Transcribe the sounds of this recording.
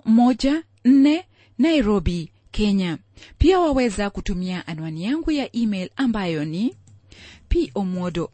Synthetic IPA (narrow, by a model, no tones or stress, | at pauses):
mɔd͡ʒa | n̩nɛ | naiɾɔbi | kɛɲa | piawawɛzakutumiaʔanwanijaŋɡujaʔimelambajɔni | piʔɔmɔdɔ